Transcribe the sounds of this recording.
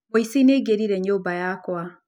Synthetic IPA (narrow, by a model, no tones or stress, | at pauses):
oisineɡeɾiɾɛɲobajakwa